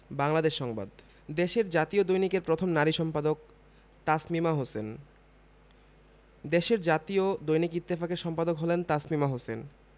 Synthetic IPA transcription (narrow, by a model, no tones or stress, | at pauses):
baŋlad̪eʃːɔŋba̰d̪ | d̪eʃeɾd͡ʑat̪iod̪ojnikeɾpɾot̪ʰomnaɾiʃɔmpad̪ok̚ | t̪asmimaɦosen | d̪eʃeɾd͡ʑat̪iod̪ojnikit̪ːifakeɾʃɔmpad̪okɦolent̪asmimaɦosen